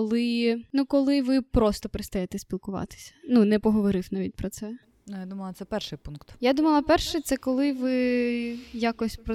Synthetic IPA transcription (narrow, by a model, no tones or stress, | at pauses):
kɔlˠɪnukɔlˠɪʋɪpɾɔst̪ɔpeɾɪst̪ɐjɛt̪ɛsʲpʲilˠkʊʋɑ̰t̪ɪ̥sʲɐ̥nunɛpɔɦɔʋɔɾɪfnaʋʲit̚ʲpɾɔt̪sɛ | nujad̪umɐlˠɐt̪sɛpɛrʃɪjpunkt̪jad̪umɐlˠɐpɛrʃɛt̪sɛkɔlˠɪʋɪ | jakɔsʲpɾɔ